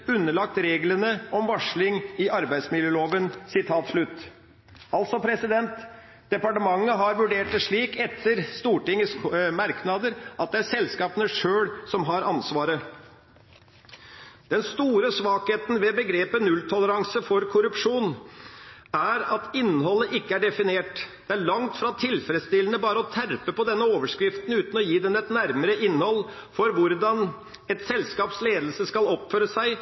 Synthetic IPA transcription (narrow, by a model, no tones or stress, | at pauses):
ʉnːəɭɑk̚t̪ɾeːɡlənəʔɔmʋɑʂɭɪŋɪʔɑɾbæɪd̪smɪljəːloːʋənsɪt̪ʰɑːt̪ʂɭʉt̪ː | ɑlt̪sɔpʰɾɛsɪd̪ɛnt̪ | d̪̥ɛpɑʈəmɑŋːəɦɑɾʋʉɖeːʈəʂɭiːkɛt̪ʰːəɾst̪uːʈɪŋːəsmɑɾknɑd̪əɾʔɑt̪̚d̪ɛæɾsɛlskɑːpənəʂøːɽsɔmɦɑɾɑnsʋɑːɾə | d̪̥ɛnst̪uːɾəsʋɑːkheːt̪nʋɛbəɡɾeːpənʉlt̪ʰɔləɾɑŋsəfɔɾkʰʊɾʉpʂuːn | æɾɑt̪ɪnːhɔlːəʔɪkːəæɖɛfɪneːʈd̪̥ɛæɭɑŋt̪fɾɑt̪ʰɪlfɾɛd̪st̪ɪlənəbɑːɾəɔt̪ʰæɾpəpɔd̪ɛnːəoːʋəʂkɾɪft̪n̩ʉːt̪nɔjiːd̪ɛnɛt̪næɾməɾəʔɪnːhɔl | fɔɾʋʊɾd̪ɑn | ɛt̪sɛlskɑːpsleːd̪lsəskɑlɔpføːɾəsæɪ